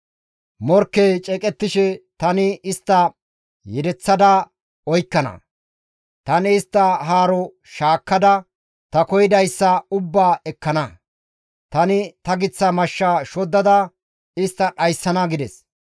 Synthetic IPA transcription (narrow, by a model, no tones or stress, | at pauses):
mɔɾkːejt͡ʃʼɛkʼɛt̪ːɪʃɛt̪ɐnɪɪst̪ːɐ | jɛd̪ɛt͡sːɐd̪ɐ | ɔjkːɐnɐ̰ | t̪ɐnɪːst̪ːɐɦaːɾɔ | ʃaːkːɐd̪ɐ | t̪ɐkɔjɪd̪ɐjsːɐʊbːaːɛkːɐnɐ | t̪ɐnɪt̪ɐɡɪt͡sːɐmɐʃːaːʃɔd̪ːɐd̪ɐ | ɪst̪ːɐɗɐjsːɐnɐɡɪd̪ɛs